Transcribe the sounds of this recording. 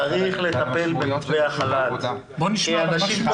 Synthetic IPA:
aʁiχle̞t̪ape̞lbetveaχalal | bo̞niʃmanaʃim

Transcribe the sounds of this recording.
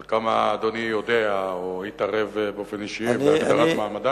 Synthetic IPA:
lkamaːd̪onijo̞d̪eaohit̪aʁe̞vbeofeniʃiivaɡddaʁatmaːmad̪a

